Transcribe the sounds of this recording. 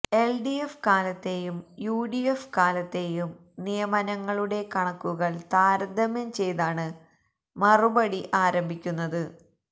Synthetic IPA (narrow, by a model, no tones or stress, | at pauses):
e̞lɖiefkaːlɐt̪ːe̞jumjuːɖijefkaːlɐt̪ːe̞jum | nijɐmɐnɐŋːɐɭuɽe̞kɐɳɐkːuɣɐɭt̪aːɾɐd̪ʱɐmjɐmt͡ɕe̞jt̪aːɳɨ | mɐrubɐɽiʔaːɾɐmbʱikʲːunːɐðɨ